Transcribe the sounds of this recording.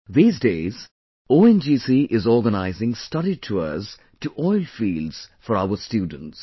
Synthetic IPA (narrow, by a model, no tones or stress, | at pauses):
ðiːzdeːz | oːɛ̃nd͡ʒiːsiʔɪzɔːɾɡənaɪzɪ̃ŋstʌɾitʰuə̰z | tuʔɔɪlfiːlɖz̥fɔɾaʊəstjuːdə̃n̩ts